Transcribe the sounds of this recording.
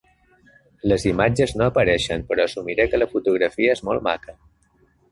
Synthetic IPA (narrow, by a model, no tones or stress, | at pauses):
ləzimad͡ʒəznoəpəɾɛʃəmpəɾɔəsumiɾɛkələfut̪uɣɾəfiəezmolˠma̰kə